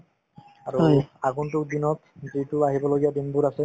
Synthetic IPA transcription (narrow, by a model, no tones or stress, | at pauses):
aɹuaɡuntukd̪inɔt̪dɹituaɦibɔloɡijad̪inbuɾasɛ